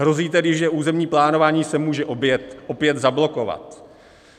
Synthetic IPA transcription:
ɦɾo̞ziːt̪ɛɡdɪʒʒɛʔuːzɛmɲiːplaːno̞vaːɲiːsɛmuːʒɛʔobjɛt̪ʔopjɛt̪zablo̞ko̞va̰t̪

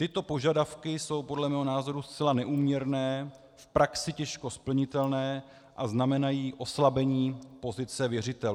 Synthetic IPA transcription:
t̪ɪt̪o̞po̞ʒadafkɪso̞wpo̞dlɛmɛːɦo̞naːzo̞ɾust͡sɛlanɛʔuːmɲɛɾnɛː | fpɾaksɪcɛʃko̞spl̩ɲɪt̪ɛlnɛː | ʔaznamɛnajiːʔo̞slabɛɲiːpo̞zɪt͡sɛvjɛrɪt̪ɛl

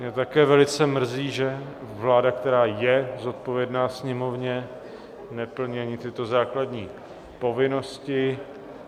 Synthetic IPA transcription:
mɲɛt̪akɛːvɛlɪt͡sɛmr̩ziːʒɛvlaːdak̚t̪ɛɾaːjɛzo̞t̪̚po̞vjɛdnaːsɲɛmo̞vɲɛ | nɛpl̩ɲiaɲɪt̪ɪt̪o̞zaːkladɲiː | po̞vɪno̞scɪ

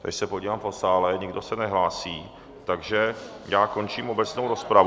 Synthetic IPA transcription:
t̪ɛ̰ʃsɛpoɟiːvaːmfosaːlɛɲɪɡdo̞sɛnɛɦlaːsiː | t̪aɡʒɛ | jaːko̞nt͡ʃiːmo̞bɛt͡snowɾo̞spɾav

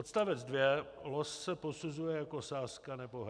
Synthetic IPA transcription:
ot̪st̪avɛd͡zdvjɛlossɛposuzujɛjakosaːskanɛpoɦ

